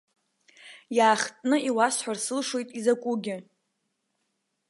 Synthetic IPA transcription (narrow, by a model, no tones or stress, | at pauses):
jaːχtʼnɨiwasħʷᶣarsɨlʂwe̞jtʼizakʷʼuɡʲɪ